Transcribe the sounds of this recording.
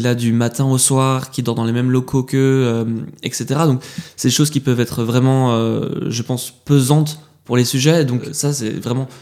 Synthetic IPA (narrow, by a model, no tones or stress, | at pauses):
ilad̪ymat̪ɛ̃oswaʁkʲid̪ɔʁd̪ɑ̃lemɛmlɔkʰokəømɛkset̪eʁad̪ɔ̃ksɛd̪eʃozkʲipœvɛt̪χvʁɛmɑ̃øʒəpɑ̃spøzɑ̃t̪ | puʁlesyʒɛd̪ɔ̃ksasɛ̰vʁɛmɑ̃